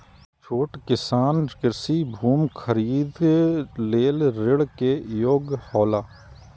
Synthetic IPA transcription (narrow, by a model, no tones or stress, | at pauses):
t͡ʃʰoːʈkɪsaːnkɪɾsibʱuːmkʰəɾiːd̪leːlɾɪɽkejoːɡhɔːlaː